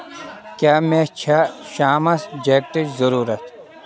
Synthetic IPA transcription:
kʲjaːmet͡ɕʰaɕaːmɐsd͡ʑek̚ʈid͡ʑzɐɾuːɾɐt̪

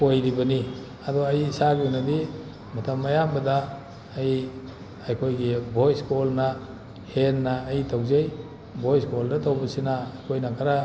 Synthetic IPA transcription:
pojɾibɐni | adɔajsaɡinadi | matʰamːajambɐdaː | j | ajkʰojɡibʱojskʰolna | henːaːjtʰawzej | bʱojskoldatʰawbɐsinaːjkʰojnakʰaɾa

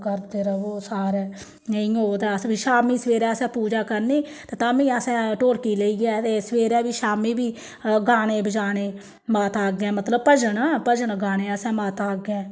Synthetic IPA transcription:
kəɾd̪eːɾəʋoːsaːɾɛː | nəĩːɦoːd̪ɛːəsbiːʃaːmiːsʋeːɾɛːəsɛ̃ːpuːd͡ʒaːkəɾniːt̪eːt̪aːmĩːəsɛ̃ːʈoːɾkiːleiːɡɛːt̪eːsʋeːɾɛːbiːʃaːmiːbiː | ɡaːneːbəd͡ʒaːneː | maːt̪aːɡɛ̃ːmət̪ləb̚pəd͡ʒənaːpəd͡ʒənɡaːneːəsɛ̃ːmaːt̪aːɡɛ̃ː

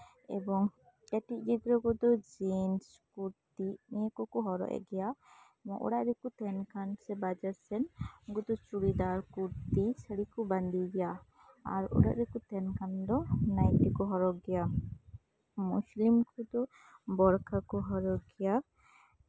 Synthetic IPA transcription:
ɛ̰bɔŋ | ɛʈiʔ̚d͡ʒiɡ̪ɾɔɡɔd̪ɔd͡ʒins | kuɾt̪inɛkɔkɔɦɔɾɔ̰ʔɛ̰ɡɛja | mɔʔɔ̰ɽaʔɾɛkut̪ɛnkansɛbad͡ʒaɾsɛnɡɔd̪ɔt͡ʃuɽid̪aɾkuɾt̪isəɽikɔband̪iɡɛja | a̰ɾɔ̰ɽa̰ʔɾɛkut̪ɛnkand̪ɔnajʈikɔɦɔɾɔɡɛja | muslimkɔd̪ɔ | bɔɾkʰakɔɦɔɾɔɡɛja

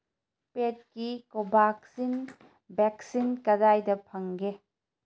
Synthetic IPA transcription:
pet̚kikobʱaksin | bɛksinkɐdajdɐpʰɐŋɡe

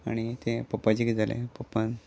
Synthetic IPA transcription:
aɽ̃it̪epəpːad͡ʑikd͡zalʔḛpəpːan

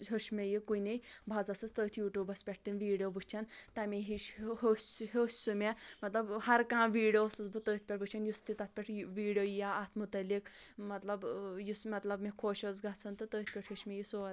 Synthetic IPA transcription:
ɦoʃmejikunejbʱɐzɐsɨt̪əːt̪ʰjuːʈuːbɐspʲeʈ̚ʰt̪inʋiːɽijoʋut͡ʃʰɐnt̪ɐmʲeɦiʃɦosɦosʲsumʲemɐt̪lɐbhɐɾkãːʋiːɽijosɨt͡sbɨt̪əːt̪̚ʰʲpʲeʈʋɨt͡ʃʰɐnjust̪it̪ɐt̪̚ʰpʲeʈʰʋiːɽijojaat̪ʰmut̪ɐlikmɐt̪lɐbjusmɐt̪lɐbmikʰoːʃozɡat͡sʰɐnt̪ɨt̪əːt̪̚ʰʲpʲeʈʰɦoʃmejisod̪

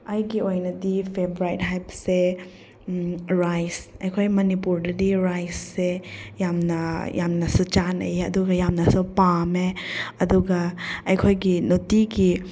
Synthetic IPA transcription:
ɐjɡiojnɐdipʰebɾajt̚ɦajbse | ɾajsɐjkʰojmɐnipuɾdɐdiɾajsːejamnɐjamnɐsut͡ʃanɐ̰jeɐ̰duɡɐjamnɐsupameɐduɡɐɐjkʰojɡinotiɡi

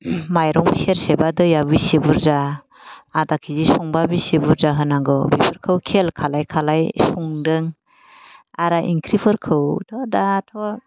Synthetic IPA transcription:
majɾɔmseɾsebadɯjabisebuɾzaː | dakʰizisɔŋbabisebuɾzaɦɯnaɡɯbipʰɯɾkʰɯwkʰelkʰalajkʰalajsɔŋdɯŋ | aɾaʔḭŋkʰɾipʰɯɾkʰɯwtʰɔdatʰɔ

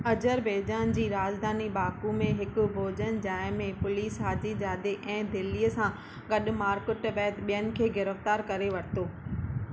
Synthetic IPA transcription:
ɐd͡ʑəɾbʱeːd͡ʑaːnd͡ʑiːɾaːd͡ʑd̪ʱaːniɓaːkumẽɦɪkʊ̆bʱoːd͡ʑənd͡ʑaːɪmẽpʊliːsɦaːd͡ʑid͡ʑaːd̪eʔɛ̃ːd̪ɪliəsã | ɡɐɗʊ̆maːɾkɪʈbɛːt̪ɓijənɪ̆kʰeːɡɪɾəft̪aːɾkɐɾeʋɐɾt̪oː

